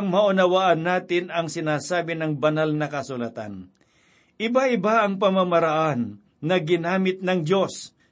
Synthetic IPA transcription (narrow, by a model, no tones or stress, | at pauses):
ŋmɐʔʊnɐwaʔɐnːaːt̪ɪnɐŋsɪnaːsaːbɪnɐŋbɐnalnɐkɐsʊlat̪a̰n | ʔɪbaɪbaʔɐŋpɐmamɐɾɐʔanː | ɐɡɪnaːmɪt̪̚nɐŋd̪jo̞s